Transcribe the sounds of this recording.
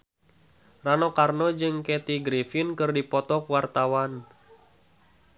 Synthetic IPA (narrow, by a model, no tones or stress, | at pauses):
ranɔkarnɔd͡ʒɨŋkɛt̪iɡɾifinkɨrdipɔt̪ɔkwart̪awan